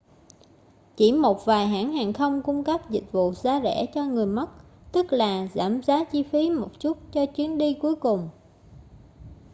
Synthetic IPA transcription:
t͡ɕi˧˩mo˨˩t̚vaː˨˩jɦa̰ː˧˥nhaː˨˩nxə˧wŋ͡mkʊ˧ŋ͡mkə˦˥p̚zï˨˩k̟̚vṵ˧˨zaː˨˧˦zɛ̰˧˥t͡ɕɔ˧ŋɨ˨˩əjmə˦˥t̚t̪ɨ˦˥k̚laː˨˩za̰ː˧˩mzaː˨˦t͡ɕi˧fi˨˦mo˨˩t̚t͡ɕu˦˥t̚t͡ɕɔ˧t͡ɕwi˨˦ənɗi˧ku˨˦jkʊ˨˩ŋ͡m

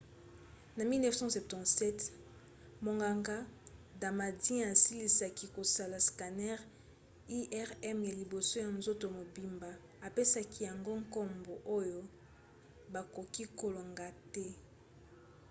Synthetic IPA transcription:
na˨mi˦lnɛ˦vsɑ̃˦sɛ˨p̚tɑ̃˨tsɛ˦t | mo˨ŋɡa˨ŋɡa˦da˨ma˨dĩ˦a˨si˦li˨sa˨ki˦ko˨sa˨la˨ska˨nɛ˦ʁ | i˦ʔɛ˦ʁɛ˦mja˨li˨bo˨so˦ja˨nzo˦to˨mo˨bi˨mba˨ | a˨pe˦sa˨kʰi˦ja˨ŋɡo˦ŋkɔ˦mbo˨ʔo˦jo˦ | ba˨ko˨ki˦ko˨lo˨ŋɡa˨tɛ˦

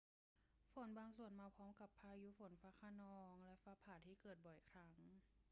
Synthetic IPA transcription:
fo˨˦nbaː˧ŋsu˨˩ənmaː˧pʰɔː˦˥mka˧˩pʰːaː˧juː˧˦fo˨˩˦nfaː˧˥kʰa˧nɔː˧ŋlɛ˦˥ʔfaː˧˥pʰaː˨˩t̪ʰiː˧˩kɤː˨˩t̪̚bɔ˨˩jkʰɾa˦˥ŋ

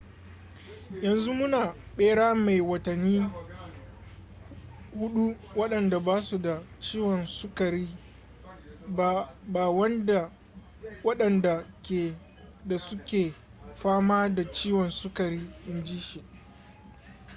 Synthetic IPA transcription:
jɐ˨nzu˦mʊ˦naː˨ɓeː˦ɽaː˦ma˨jwɐ˨tɐ˨nːiː˦ | hʊ˦ɗu˦wɐ˦ɗɐ˨nda˨baː˦su˨da˨t͡ʃiː˦wɔ˨nsʊ˦kɐ˨ɾiː˦ | ba˦ba˨wɐ˦nda˨ | wɐ˦ɗɐ˨nda˨ | da˨sʊ˦kʲeː˨ | ɸaː˦maː˦da˨t͡ʃiː˦wɔ˨nsʊ˦kɐ˨ɾiː˦ɗɪ˦nd͡ʒiː˦ʃi˨ʔ

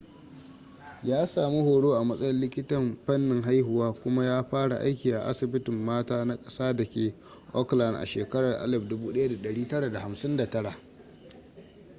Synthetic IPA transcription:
jaː˦saː˨mi˦hoː˨ɽoː˦ʔa˨mɐ˦sʼɐ˦jɐ˦llɪ˦kʲɪ˦tɐ˨mɸɐ˦nːɪ˨ŋɦa˦jɦʊ˨waː˦kʷʊ˦ma˦jaː˦ɸaː˦ɽa̰˨ʔa̰˦jkʲiː˨ʔa̰˨ʔa̰˦sɪ˨bɪ˦tɪ˨mːaː˦taː˦na˦kʼɐ̥˦saː˦dɐ˨kʲeː˨ | ʔɔ˦kla˨ndʔa̰˨ʃeː˨kɐ˦ɽɐ˨rʔa̰˦lɪ˨ɸdʊ˦buː˦ɗɐ˦ja˦da˨ɗɐ˨ɽiː˦tɐ˦ɽa˨da˨ha˨msɪ˦nda˨tɐ˦ɽa˨ʔ

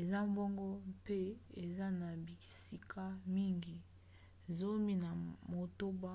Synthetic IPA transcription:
e˨za˦mbo˦ŋɡo˦pe˦e˨za˦na˨bi˨si˨kʰa˦mi˦ŋɡi˨ | zo˦mi˦na˨mo˨to˦ba˦

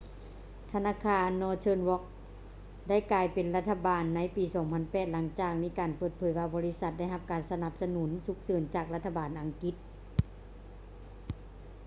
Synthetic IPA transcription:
t̪ʰa˧naː˧˥˨kʰaː˧nːɔː˧t͡ɕʰɤː˧nwɔ˧˦˥k̚ | da˥˩jklaː˨˩jpe˨nla˧t̪ʰːa˧baː˨nːa˧˥jpiː˨˩sɔː˨˩˦ŋpʰa˧˥npɛː˨˩t̪̚la˩˦ŋt͡ɕaː˨˩k̚miː˧˥˨kaː˨npɤː˧˩t̪̚pʰɤː˨˦jwaː˧bɔː˨˦li˦˧˥sa˧t̪̚da˥˩jɦa˧p̚kaː˨˩nsa˧na˧˦p̚sa˧nu˩˦nsu˧˥k̚sɤː˨˦nt͡ɕaː˨˩k̚la˧t̪ʰːa˧baː˨nʔa˨˩ŋki˧˥t̪̚

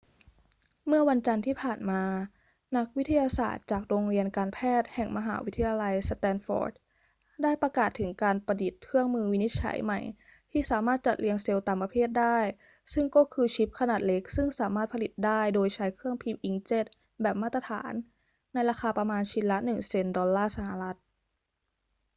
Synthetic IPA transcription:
mɯ˥˩ɐwa˧nt͡ɕa˧nt̪ʰiː˥˩pʰaː˨˩nmaː˧ | na˦˥k̚wi˦˥t̪ʰa˧jaː˧sa̰ː˨˩t̪̚t͡ɕaː˨˩k̚ɾoː˧ŋɾi˧ənkaː˧npʰɛː˥˩t̪̚hɛ˨˩ŋmʔa˧ɦa̰ː˩˦wi˦˥t̪ʰːa˧jaː˧la˧jst̪ɛː˧nfɔ̰ː˦˥d̚ | daː˥˩jpɾa˧kaː˨˩t̪ʰːɯ˩˦ŋkaː˧npa˧di˨˩t̪̚kʰɯ˥˩əŋmɯː˧wi˦˥ni˦˥t̪̚t͡ɕʰa̰˧˩˦jma˨˩j | t̪ʰiː˥˩saː˩˦maː˥˩t̪̚t͡ɕa˨˩t̪̚li˧əŋse˧wt̪aː˨˩mpa˧pʰeː˥˩t̪̚daː˥˩j | sɯ˥˩ŋkɔː˥˩kʰɯː˧t͡ɕʰi˦˥p̚kʰa˧naː˨˩t̪̚le˦˥k̚sɯ˥˩ŋsaː˩˦maː˥˩t̪̚pʰli˨˩t̪̚daː˥˩jdoː˧jt͡ɕʰa˦˥jkʰɯ˥˩əŋpʰi˧mʔi˧˥ŋt͡ɕe˥˩t̪̚ | bɛː˨˩p̚maː˥˩t̪ɾa˧t̪ʰa̰ː˩˦nː | a˧jɾaː˧xaː˧pɾa˧maː˧nt͡ɕʰi˧lːa˦˥nɯ˨˩ŋse˧ndɔː˧lːaː˥˩sa˧ha˨˩ɾa˦˥t̪̚

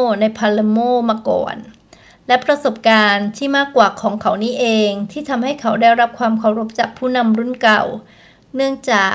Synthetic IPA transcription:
na˧jpʰaː˧le˧moː˥˩maː˧kɔ̰ː˨˩n | lɛ˦˥pɾa˧so˨˩p̚kaː˧nt̪ʰiː˥˩maː˥˩kːwaː˨˩kʰɔː˩˦ŋkʰa˩˦wniː˦˥ʔeː˧ŋt̪ʰiː˥˩t̪ʰa˧mha˥˩jkʰa˩˦wdaː˥˩jɾa˦˥p̚kʰwaː˧mkʰa˧˩wɾo˦˥p̚t͡ɕaː˨˩k̚pʰuː˥˩na˧mɾu˥˩nka˨˩w | nɯ˥˩əŋt͡ɕaː˨˩

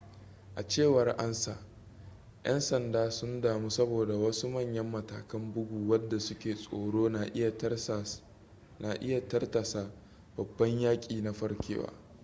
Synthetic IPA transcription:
ʔa˨t͡ʃeː˦˨wɐ˨rʔa˦nsa̰ː˨ | ʔɐ̰˦nsɐ˨ndaː˦sʊ˦ndaː˨mu˦sɐ˦boː˨da˨wɐ˦su˦mɐ˦˨ɲjɐ˦mːɐ˨ta̰ː˨kɐ˦mbʊ˦ɡʷuː˨wɐ˦dːa˨sʊ˦kʲeː˨sʼoː˨ɽoː˦na˨˦˨ | na˨ʔɪ˦ja˨tɐ˦rtɐ˨sa˨ | b̥ɐ˨bːɐ˦ɲjaː˦kʲʼiː˨na˨ɸɐ˦ɽkʲḛː˦wa̰ː˦

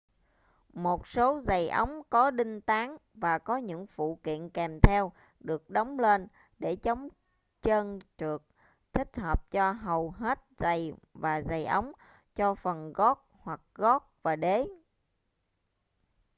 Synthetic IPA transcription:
mo˨˩t̚so˨˦za˨˩jʔə˨˦wŋ͡mkɔ˨˦ɗï˧ŋ̟t̪aː˨˦ŋvaː˨˩kɔ˨˦ɲɨ̰˧˥ŋfṵ˧˨kḭ˧˨ənkɛ˨˩mt̪ʰɛ˧w | ɗɨ˨˩ək̚ɗə˨˦wŋ͡mle˧n | ɗe˧˩t͡ɕə˨˦wŋ͡m | t͡ɕəː˧nt͡ɕɨ˨˩ək̚ | t̪ʰï˦˥k̟̚həː˨˩p̚t͡ɕɔ˧ɦə˨˩wɦe˦˥t̚za˨˩jvaː˨˩za˨˩jʔə˨˦wŋ͡m | t͡ɕɔ˧fə˨˩nɣɔ˦˥t̚hwa˨˩k̚ɣɔ˦˥t̚vaː˨˩ɗe˨˦

